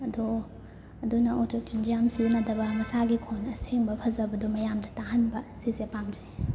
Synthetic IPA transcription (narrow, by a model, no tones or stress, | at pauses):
ɐdo | ɐdunɐʔototind͡ʒijamsiɐnɐdɐbɐmɐsaɡikʰonɐseŋbɐpʰɐzɐbɐdomɐjamdɐtaɦɐnbɐsisepamd͡ʒai